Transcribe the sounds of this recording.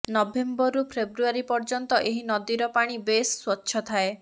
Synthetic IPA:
nɔbembɔɾupʰebɾuaɾipɔɾd͡ʒɔnt̪ɔʔeɦinɔd̪iɾɔpaɽ̃ibesːwɔtːʃʰɔt̪ʰae

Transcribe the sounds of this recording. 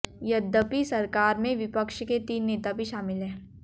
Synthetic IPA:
jɐd̪əpisɐɾkaːɾmẽʋɪpəkʃket̪iːnːeːt̪abʱiʃaːmɪlɦɛ̃ː

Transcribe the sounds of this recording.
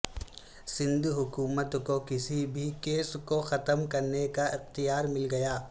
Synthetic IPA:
sɪ̃nd̪ɦʊkuːmət̪kokɪsibʱikeːskoxɐt̪əmkɐɾnekaʔɪxt̪ijaːɾmɪlɡɐjaː

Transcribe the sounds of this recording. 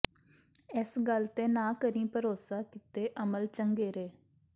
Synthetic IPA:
ɪsɡəlt̪eːnãːkəɾĩːpəɾoːsaːkɪt̪eːʔəməlt͡ʃəŋɡeːɾeː

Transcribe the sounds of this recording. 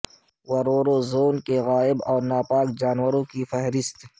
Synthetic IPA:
wɐɾoːɾõzoːnkeɣaːɪbɔːɾnaːpaːkd͡ʒaːnwəɾõkifɛɦɾɪst̪

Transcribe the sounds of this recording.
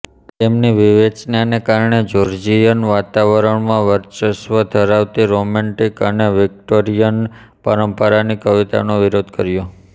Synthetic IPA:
t̪emniʋiʋet͡ʃnanekaɾɳed͡ʒoɾd͡ʒijənʋat̪aʋəɾəɳmãʋəɾt͡ʃəʃʋəd̪ʱəɾaʋt̪iɾomɛɳʈikəneʋɪk̚ʈoɾijən | pəɾəmpəɾanikəʋit̪a̰noʋiɾod̪kəɾjo

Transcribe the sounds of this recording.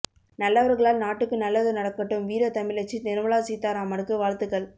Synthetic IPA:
nɐlːɐʋɐɾɣɐɭaːlnaːʈːɯkːɯnɐlːɐðɯnɐɽɐkːɐʈːɯmʋiːɾɐt̪ɐmɪlɐt͡ʃːit̪ɪɾɯmɐɭaːsiːt̪ːaːɾaːmɐɾɯkːɯʋaːɾt̪ɯkːɐɭ

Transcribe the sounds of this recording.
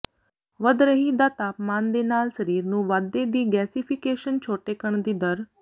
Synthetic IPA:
ʋəd̪ɾəɦiːd̪aːt̪aːpmaːnd̪eːnaːlsəɾiːɾnũːʋaːd̪ːeːd̪iːɡɛːsipʰɪkeːʃənt͡ʃʰoːʈeːkəɳd̪iːd̪əɾ

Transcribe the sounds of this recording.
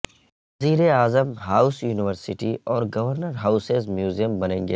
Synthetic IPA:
ɐziːɾeaːzəmɦaːʊsjuːnɪʋəɾsɪʈiɔːɾɡɐʋəɾnəɾɦaːʊsezmjuːzijəmbɐnẽːŋɡeː

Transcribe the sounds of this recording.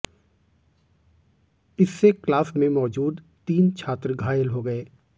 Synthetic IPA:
ɪsːeklaːsmẽmɔːd͡ʒuːd̪ | t̪iːnt͡ʃʰaːt̪ɾɡʱaːjəlɦoɡɐeː

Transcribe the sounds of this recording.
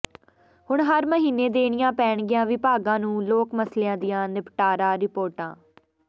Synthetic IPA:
hʊɳɦəɾməɦiːneːd̪eːɽ̃ɪjãːpɛːɳɡɪjãːʋɪpaːɡãːnũːloːkməsljãːd̪ɪjãːnɪpʈaːɾaːɾɪpoːɾʈã̰ː

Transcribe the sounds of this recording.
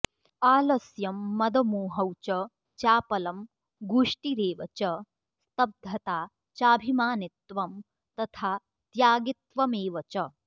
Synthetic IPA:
aːlɐsjɐmːɐd̪ɐmuːɦɐwt͡ʃɐ | t͡ʃaːpɐlɐm | ɡuʂʈiɾeːʋɐt͡ʃɐ | st̪ɐb̚d̪ʱɐt̪aː | t͡ʃaːbʱimaːnit̪ʋɐm | t̪ɐt̪ʰaː | t̪jaːɡit̪ʋɐmeːʋɐt͡ʃɐ

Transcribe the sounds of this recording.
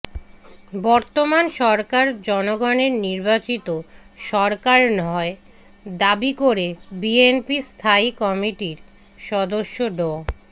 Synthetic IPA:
bɔɾt̪omanʃɔɾkaɾd͡ʑɔnoɡɔneɾniɾbat͡ɕit̪o | ʃɔɾkaɾnɔe | d̪abikoɾebienpist̪ʰaikɔmiʈiɾ | ʃɔd̪oʃːoɖɔ

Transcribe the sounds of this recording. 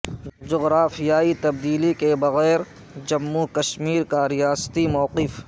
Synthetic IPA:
d͡ʒʊɣɾaːfijaːit̪ɐb̚d̪iːlikebɐɣɛːɾ | d͡ʒɐmːukɐʃmiːɾkaɾijaːst̪imɔːqɪf

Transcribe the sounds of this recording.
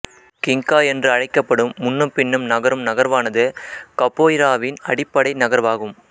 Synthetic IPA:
kɪŋkaːɛndrɯɐɻɐɪkːɐpːɐɽɯmːʊnːɯmpɪnːɯmnɐɣɐɾɯmnɐɣɐɾʋaːnɐðɯkɐpːoːjɪɾaːʋɪnɐɽɪpːɐɽɐɪnɐɣɐɾʋaːɣɯm

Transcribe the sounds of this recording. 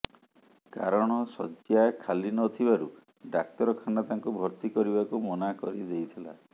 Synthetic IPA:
kaɾɔɽ̃ɔsɔd͡ʒjakʰalinɔːt̪ʰibaɾu | ɖak̚t̪ɔɾɔkʰaɳɖat̪aŋkubʱɔɾt̪ikɔɾiβakumɔnakɔɾid̪ejt̪ʰila̰

